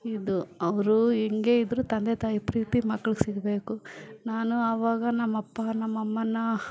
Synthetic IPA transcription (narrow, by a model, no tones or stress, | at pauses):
id̪uɐʋɐɾuɛŋɡe̞ːid̪ɐɾut̪ɐnd̪et̪aːjipɾiːt̪imɐkːɐɭuɡsiɡɐbe̞ːkunaːnuɐːʋaːɡɐnɐmːɐpːɐnɐmːɐmːɐnːɐ